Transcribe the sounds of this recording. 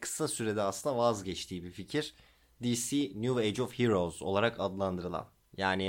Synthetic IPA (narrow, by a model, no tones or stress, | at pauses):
kʰɯ̥sasyɾed̪ɛaslˠɯnd̪avazɟɛt͡ʃt̪ʰiːbificʰiɾ̥ | d̪iːsinjuejd͡ʒofhiɾo̞zo̞̰lˠaɾakʰad̪lˠand̪ɯɾɯlˠa̰n | jaːni